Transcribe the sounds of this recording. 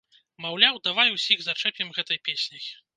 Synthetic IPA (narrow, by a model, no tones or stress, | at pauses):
mawlʲawd̪avajusʲiɣzat͡ʂɛpʲjɛmɣɛt̪ɐjpʲesʲnʲɐj